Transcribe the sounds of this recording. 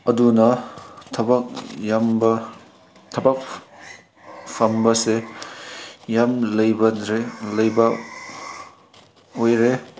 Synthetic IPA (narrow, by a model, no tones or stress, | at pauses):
ɐdunɐtʰɐbɐk̚jambɐ | t̪ʰɐbɐk̚ | pʰɐmbɐse | jamlɐjbɐɾelɐjbɐ | ojɾe